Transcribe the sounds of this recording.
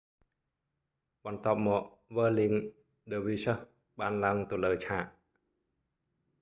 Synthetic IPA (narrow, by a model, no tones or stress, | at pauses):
ɓɑnt̪ŏəp̚mɔːk̚ | ʋəːliŋ | ɗəːʋiːsəh | ɓaːnlaəŋt̪ɨləːt͡ɕʰaːʔ